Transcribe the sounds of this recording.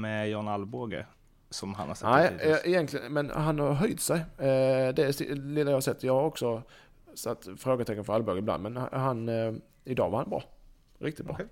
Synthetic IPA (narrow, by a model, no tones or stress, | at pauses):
mɛjɑnalboɡə̰ | sɔmha̰nhasɛnɛɪʔɪjɛnt̪k̪ʰlɪə̰nmɛnhanhɑɾɦœjt̪sɛj | d̪ɛsɪ̰lɪlːajhɑsɛt̪ːjɑaɾɔksɔ | sat̪ːfɾoːɡət̪ʰɛkːənfœɾalboːɡɪbla̰nd̪mɛn̰ɦan | ɪd̪ɑ̰ːvaɾhanbɾɑ̰ː | ɾɪ̰kt̪ɪt̪̚bɾɑ̰ː